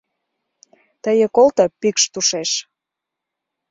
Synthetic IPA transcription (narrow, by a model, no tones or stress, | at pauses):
t̪əjĕkolt̪ɤpikʃt̪uʃeʃ